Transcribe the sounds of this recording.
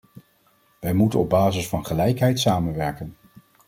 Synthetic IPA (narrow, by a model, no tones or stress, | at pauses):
ʋɛjmutənɔb̚baːzɪsfɑnχəlɛjkɦɛjtsaːmənʋɛɹkən